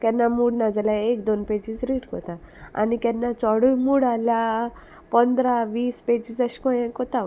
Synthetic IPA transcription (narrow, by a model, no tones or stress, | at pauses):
kɛ̃nːamuːɽnad͡zaljaek̚d̪onped͡ʑid͡zɾiːʈkɔ̰t̪aa̰nikɛnːat͡sɔɽujmuɽalja | pənd̪ɾaʋiːsped͡ʑid͡zəɕkɔjɛ̃kɔt̪a